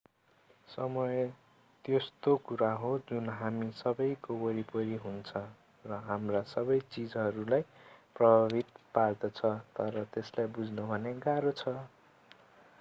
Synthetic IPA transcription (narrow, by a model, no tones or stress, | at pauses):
sʌmʌjʌ | t̪est̪okuɾaɦod͡zunɦamisʌbʌjkobʌɾipʌɾiɦunt͡sʰʌ | rʌɦamrasʌbʌjt͡sid͡zʌɾulajprʌbʱabʱit̪̚pard̪ʌt͡sʰʌt̪ʌɾʌt̪eslajbud͡znʌbʱʌneɡaɾot͡sʰʌ